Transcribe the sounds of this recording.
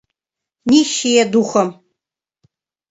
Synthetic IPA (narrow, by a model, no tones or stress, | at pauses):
niʃijɛduxʷɐm